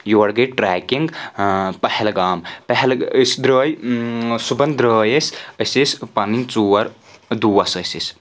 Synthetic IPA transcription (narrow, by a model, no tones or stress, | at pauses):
juʋɐɽɡɐjʈɾaːkiŋɡpɐhɛlɡaːmpɐɦelsd̪ɾəːjsubɐnd̪ɾəːjesʲɐsʲesʲpɐnint͡suɐɾ | d̪uːɐsɐsʲisʲ